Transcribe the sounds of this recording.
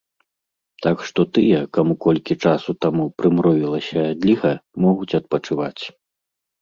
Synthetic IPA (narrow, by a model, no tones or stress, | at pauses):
t̪akʂt̪ɔt̪ɨjɐkamukɔlʲkʲit͡ʂasut̪amupɾɨmɾɔvʲilˠɐsʲɐd̪ʲlʲiɣɐmɔɣut͡sʲɐt̪̚pɐt͡ʂɨvat͡sʲ